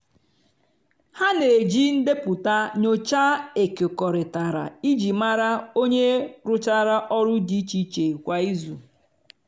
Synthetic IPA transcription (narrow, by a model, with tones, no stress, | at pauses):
ha˦ne˨d͡ʒi˦n̩˦de˦pʊ˨ta˦ɲo˦t͡ʃa˦e˨ke˨kɔ˨ɾɪ˨ta˨ɾa̰˨i˦d͡ʒi˨ma˦ɾa˦o˦ɲe˦ɾʊ˦t͡ʃa˦ɾa˦ʔɔ˦ɾʊ˦di˦t͡ʃi˦t͡ʃe˨kʷa˦i˦zu˨